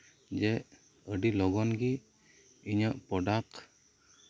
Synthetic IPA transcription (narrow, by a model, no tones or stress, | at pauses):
d͡ʒɛʔ | əɖilɔɡɔnɡi | iɲəʔpɔɖak